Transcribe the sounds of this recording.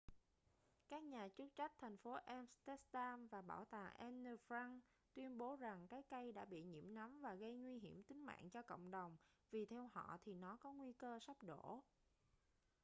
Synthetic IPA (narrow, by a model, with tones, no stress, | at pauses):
kaː˦˥k̚ɲaː˨˩t͡ɕɨ˦˥k̚t͡ɕa˦˥k̟̚t̪ʰɛ˨˩ŋ̟fo˨˦ʔɛ˧mst̪ɛ˦˥t̪aː˧mvaː˨˩ɓaː˧˩wt̪a̰ː˨˩ʔɛ˧nə˧fɾa˧ŋ | t̪wi˧ənɓo˨˦za˨˩ŋkaː˨˦jka˧jɗa̰ː˧˥ɓḭ˧˨ɲḭ˧˩əmna˨˦mvaː˨˩ɣə˧jŋwi˧ɦi˧˩əmt̪ï˨˦ŋ̟ma̰ː˧˨nt͡ɕɔ˧ko̰˧˨wŋ͡mɗə˨˩wŋ͡m | vi˨˩t̪ʰɛ˧wɦɔ̰˧˨t̪ʰi˨˩nɔ˨˦kɔ˨˦ŋwi˧kəː˧sa˦˥p̚ɗo̰˧˩